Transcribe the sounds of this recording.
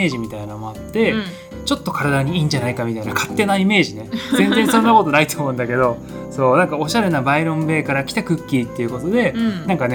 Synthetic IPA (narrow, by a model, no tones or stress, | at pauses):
eːʑimʲit̪ainaomo̞at̪ːe̞ | t͡ɕo̞t̪ːo̞kaɾad̪aɲ̟iiːɲ̟d͡ʑanaikamʲit̪ainakʰat̪ːe̞naime̞ːʑine̞zẽ̞nzẽ̞sõ̞nːako̞t̪o̞nait̪omoɯ̟̃nd̪ake̞d̪o̞ | so̞ːnãŋkao̞ɕaɾe̞nabaiɾõ̞mbe̞ːkaɾakʲi̥t̪akɯ̟kʲːit̪ːe̞iɯ̟ko̞t̪o̞d̪e̞nãŋkane